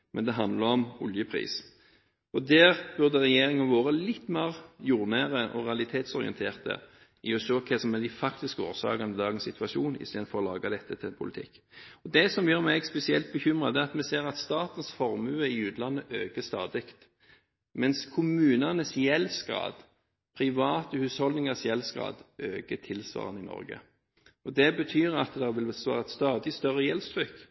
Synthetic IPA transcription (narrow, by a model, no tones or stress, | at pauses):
mʔɛnd̪ɛɦɑnd̪ləɾɔmɔljəpʰʁḭːs | ɔd̪æːʁb̥ʉʁd̪əʁɛjeːʁɪŋənʋoːɾəlɪt̪ːmeːʁjuːʁnæːʁəʔɔ̰ʁɛɑlɪt̪ʰeːt̪sɔɾɪ̰ɛ̰nt̪ʰeːʁt̪ə̰ | ɪɔʃøːkʰɛsɔmɛd̪ɪfɑkt̪ɪskəo̰ːʁsɑ̰ːkɑnəd̪ɑːɡənsɪt̪ʋɑʃuːnɪ̰st̪eːd̪n̩fɔʁɔlɑːɡɑd̪ɛt̪ːət̪ʰɪlpʰʊlɪt̪ʰɪ̰kː | ɔd̪ɛsɔmjøːmæɪɡspɛsɪɛlt̪̚bəçʏmɾɑd̪ɛɑt̪mɛseːɾɑt̪st̪ɑːt̪ən̩sfɔɾmʉːəɪʉːt̪lɑnːəʔøːkəst̪ɑːd̪ɪkt̪ | mɛnskʰʊmʉːnənəsjɛlsɡɾɑ̰ːd̪̥ | pʰɾɪʋɑːt̪əhʉːshɔld̪nɪŋəsjɛlsɡʁɑ̰ːd̪ʔøːkət̪ʰɪlsʋɑ̰ːʁənɪnɔ̰ɾɡə̰ | ɔd̪ɛbət̪ʰyːɾɑt̪d̪ɛʋɪlsʋɑ̰ːʁɑt̪st̪ɑːd̪ɪst̪œɾəjɛlst̪ʰʁʏkː